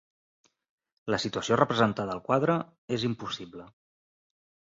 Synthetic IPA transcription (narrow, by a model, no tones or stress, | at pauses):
ləsit̪uəsiorəpɾəzənt̪aðəːlˠkwaðɾə | ezimpusiβlə